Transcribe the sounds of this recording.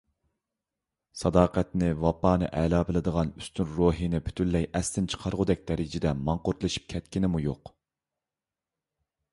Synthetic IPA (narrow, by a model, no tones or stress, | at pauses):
sɑd̪ɑːqɛt̪nɪvɑpːɑːnɨʔɛlˠɑːbɪlɨd̪əʁɑnyst̪ʰynɾoːɦinɪpʰy̥t̪ʰynlːɛjʔɛst̪ɪnt͡ʃʰə̥qʰɑɾʁʊd̪ɛk̚ʲd̪ɛɾɪd͡ʒɪd̪ɛmɑɴqʊɾt̪lˠɨʃi̥p̚kʲʰɛt̪kʲinɪmujoq